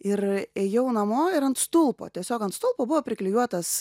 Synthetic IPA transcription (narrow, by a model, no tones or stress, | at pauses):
ɪɾeːjɛʊnɐmoːɪɾɐnt̪st̪ʊlˠpo̰ːt̪ʲiɛsʲoːkɐnt̪st̪ʊlˠpoːbʊʋoːpʲɾʲɪklʲɪjuɔt̪ɐs